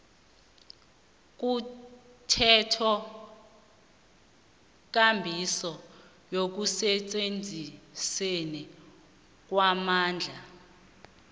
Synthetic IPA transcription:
k̬ʼu | tʰɛtʰɔ | k̬ʼambʱisɔ | jok̬usɛt͡sʼend͡zʱisenɛ | k̬wamaːnd͡ɮʱa

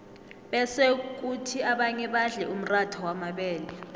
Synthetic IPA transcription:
ɓɛsek̬utʰiaɓaɲɛɓaɮɛʔum̩ratʰɔwamaɓɛːlɛ

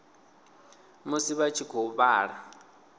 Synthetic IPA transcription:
musiβat͡ʃʰikʰɔuβaːɺa

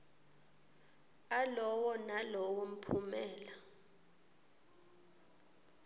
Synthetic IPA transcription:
alɔwɔnalɔwom̩pʰumɛːla

